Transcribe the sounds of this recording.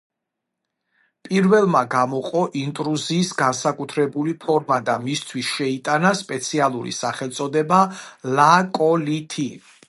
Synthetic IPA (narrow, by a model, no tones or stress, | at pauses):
pʼiɾvɛlˠmaɡamɔqʼɔʔint̪ʼɾuziːsɡansakʼut̪ʰɾɛbulipʰɔɾmad̪amist̪ʰwisʃɛit̪ʼanaspʼɛt̪sʰialˠuɾḭsaχɛlˠt̪sʼɔd̪ɛbalakʼɔlit̪ʰi